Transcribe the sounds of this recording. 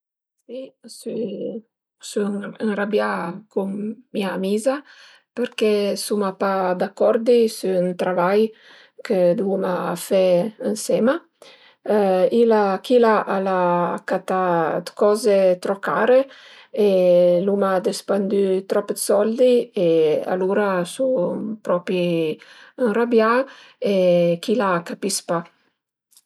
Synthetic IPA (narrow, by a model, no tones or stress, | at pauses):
sisy | synənrabjakuŋːmiamiza | pəɾkɛsumapad̪akːɔɾd̪isyːnt̪ɾavaj | kʰəd̪umafɛənsɛma | ilakilaʔalakat̪ad̪kɔzet̪ɾɔkaːɾe | elumad̪əspand̪yt̪ɾɔpd̪sɔld̪iea̰luɾasupɾɔpi | ənrabjaekilakapispa